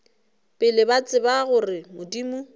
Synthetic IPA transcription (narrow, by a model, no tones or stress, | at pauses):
pʼɪlɪbat͡sʼɪbaɣʊrɪmʊdimu